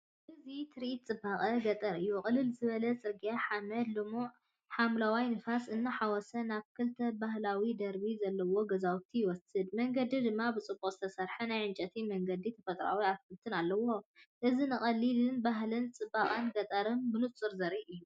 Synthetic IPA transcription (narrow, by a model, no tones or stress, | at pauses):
ʔɨzit̪ʰɾit̪t͡sʼɨbaχʼɐɡɐt̪ʼɐɾɨjːuχʼɨlːɨlzɨβɐlɐt͡sʼɨɾɡijaħamɐd̪lɨmuʔ | ħamlawajnɨfasʔɨnːɨħawɔsɐnaβkʰɨlt̪ʰɐbaɦlawid̪ɐɾbizɐlːɐwo̞ɡɐzawt̪ʰijɪwɔsɨd̪mɐŋɡɐd̪id̪ɨmːabɨt͡sʼɨbːukʼz̥ɨt̪ʰɐsɐɾħɐnajʕɨnt͡ʃʼɐt̪ʰimɐŋɡɐd̪it̪ʰɐfɐt̪ʼɾa̰wiaβkʰɨlt̪ʰɨnalːɐwo̞ʔɨzinɨχʼɐlːilɨnbaɦlɨnt͡sʼɨbaχʼɐnɡɐt̪ʼɐɾɨnbɨnɨt͡sʼːɨɾzɐɾiʔɨjːu